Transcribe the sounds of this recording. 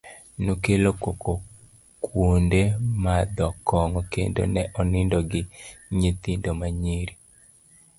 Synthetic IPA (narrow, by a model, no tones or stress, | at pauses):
nokelokoko | kwondemad̪ɔkʰɔŋɔkḛndo̰nɛʔɔnɪndɔɡɪɲet̪indomaɲiɾi